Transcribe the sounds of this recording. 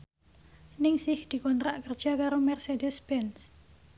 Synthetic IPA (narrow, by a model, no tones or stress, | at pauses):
nɪŋsɪhd̪̥i̤kɔnt̪ɾaʔkərd̥ʒ̥akaɾomɛrsedɛspɛns